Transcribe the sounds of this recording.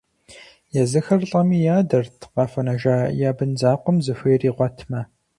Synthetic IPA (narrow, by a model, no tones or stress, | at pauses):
jɛzɨxɐrɬʼɐmiːjaːdɐrtʰqɑfɐnɐʒaːjaːbɨnzaːqʷɔmzɨfʷeriːʁʷɔtʰmɐ